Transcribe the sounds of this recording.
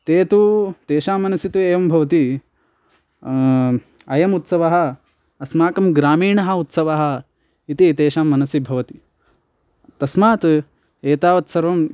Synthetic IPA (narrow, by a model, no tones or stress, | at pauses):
t̪eːt̪ut̪eːʃaːmːɐnɐsit̪ueːjɐmbʱɐʋɐt̪i | ɐjɐmut̪sɐʋɐɦɐ̆ | ɐsmaːkɐmɡɾaːmiːɳɐɦɐ̆ut̪sɐʋɐɦɐ̆ | it̪it̪eːʃaːmːɐnɐsibʱɐʋɐt̪i̥ | t̪ɐsmaːt̪ | eːt̪aːʋɐt̪sɐɾʋɐm